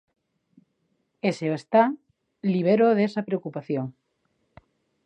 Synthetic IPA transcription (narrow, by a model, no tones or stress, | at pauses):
eseoest̪a | liβ̞eɾoðesapɾeokupaθjoŋ